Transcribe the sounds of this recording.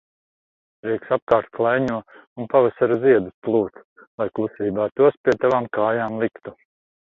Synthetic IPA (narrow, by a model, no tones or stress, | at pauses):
ɾiɛksap̚kaːɾt̪̚klˠajɲuɔunpavasaɾuziɛd̪usplˠuːt̪ | lˠajklˠusiːbaːt̪uɔspʲiɛt̪avaːmkaːjaːmlˠikt̪u